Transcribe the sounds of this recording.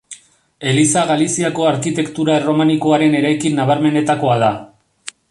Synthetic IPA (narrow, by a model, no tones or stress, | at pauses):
e̞lisaɣalisiako̞aɾkit̪e̞kt̪uɾaero̞maniko̞aɾe̞ne̞ɾajkinːaβ̞aɾme̞ne̞t̪ako̞aða